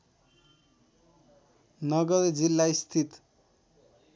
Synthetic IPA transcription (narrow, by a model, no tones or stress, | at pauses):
nʌɡʌɾd͡zilːaist̪ʰit̪